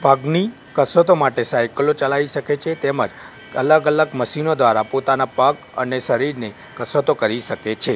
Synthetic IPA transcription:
bʱaɡni | kəsot̪omaʈesajkəlot͡ʃəlaiʃəket͡ʃʰet̪emə̰d͡ʒ | ələɡələɡməʃinod̪ʋaɾapot̪anapək | ə̰neʃəɾiɾne | kəsot̪okəɾiʃəket͡ʃʰe

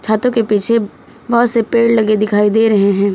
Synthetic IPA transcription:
t͡ʃʰaːt̪õkepiːt͡ʃʰe | bɐɦʊt̪sepeːɽlɐɡed̪ɪkʰaːid̪eːɾɐɦeɦɛ̃ː

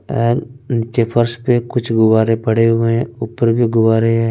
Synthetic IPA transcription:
ɛːɾnɪt͡ʃepʰəɾspekʊt͡ʃʰɡʊʋaːɾẽpəɽeɦoẽʊpəɾbʱiɡʊʋaːɾeɦɛ

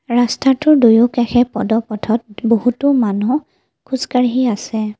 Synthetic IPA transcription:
ɹastatʊɹdujʊkɛxɛpɔ̰dɔpɔtʰɔt̚bohutʊmanu | kʰuzkaɹɦiasɛ

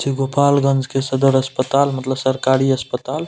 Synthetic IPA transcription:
t͡ʃʰiɡopalɡənd͡ʒʱkesəd̪əɾəspət̪almət̪ləbsəɾkaɾiəspət̪al

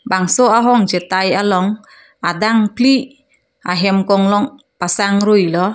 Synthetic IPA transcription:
baŋsɔaɦɔŋt͡ʃɛt̪ajalɔŋ | adaŋpli | aɦɛmkɔŋlɔŋ | pasaŋɾujlɔ

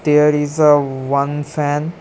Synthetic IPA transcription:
d̪̥eɾizəʋʌ̃nfæ̃n

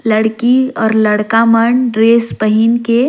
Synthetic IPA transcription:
ləɽkiɔːɾləɽkaməɳɖɾeːspəɦinke

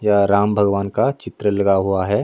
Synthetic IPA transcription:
jaɾaːmbʱɐɡʋaːnkat͡ʃɪt̪ɾəlɐɡaɦuaɦɛː

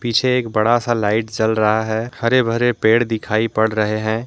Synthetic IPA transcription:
pit͡ʃʰeːkbəɽasalaːɪʈd͡ʒəlɾəɦaɦɛhəɾebʱəɾepeːɽd̪ɪkʰaːipəɽɾəɦeɦɛ̃ː

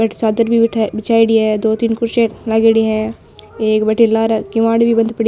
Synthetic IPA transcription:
bɛʈsaːd̪əɾbʱibɪt͡ʃʰaːiɽiɦɛ̃d̪oːt̪iːnkʊɾʃeːʈlaːɡeɽiɦɛ̃ | eːkbɛʈʰilaːɾkɪmaːɽbʱibɐ̃nd̪pɐɽi

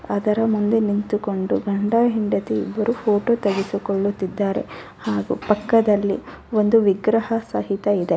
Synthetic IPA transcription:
ɐd̪ɐɾɐmund̪enint̪uko̞ɳɖuɡɐɳɖaːɦiɳɖɐt̪iḭbːɐɾupʰoːʈoːt̪ɐɡisikoɭːut̪ːid̪ːaːɾe̞̰ | haːɡṵpɐkːɐd̪ɐlːḭ | o̞nd̪uʋiɡɾɐhɐsɐɦit̪ɐid̪e

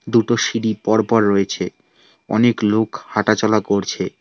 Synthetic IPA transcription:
d̪uʈoʃiɖipɔɾpɔɾːoet͡ɕʰe | ɔ̰neklokhaʈat͡ɕɔlakoɾt͡ɕʰe

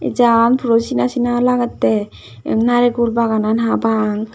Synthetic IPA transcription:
ɛ̰d͡ʒanpʰɾosinasinalaɡat̪ːɛ | ɛ̰mnaɾɛɡuɾbaɡananɦabaŋ

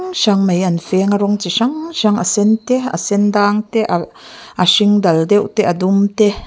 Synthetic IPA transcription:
ŋʃaŋmejɐnfɛŋaɾɔŋt͡siʃaŋʃaŋa̰sɛnt̪ɛa̰sɛnd̪aːŋt̪ɛʔaʔaʂiŋd̪ɐld̪ɛwʔt̪ɛʔad̪umt̪ɛ

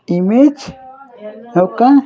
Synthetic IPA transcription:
imet͡ʃ | noka

